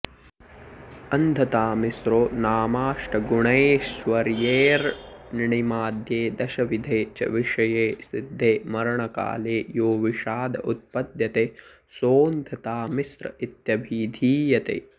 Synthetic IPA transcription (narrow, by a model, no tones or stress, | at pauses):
ɐnd̪ʱɐt̪aːmisɾoːnaːmaːʂʈɐɡuɳɐeʋɐɾjeːɾnɪɳimaːd̪ʱjeːd̪ɐʃɐʋid̪ʱeːt͡ʃɐ̰ʋiʂɐjeːsid̪ʱːeːmɐɾɐɳɐka̰ːleːjoːʋiʃaːd̪ɐ̰ʔut̪̚pɐd̪jɐt̪eː | soːnd̪ʱɐt̪aːmisɾɐ̰it̪jɐbʱiːd̪ʱiːjɐt̪ḛː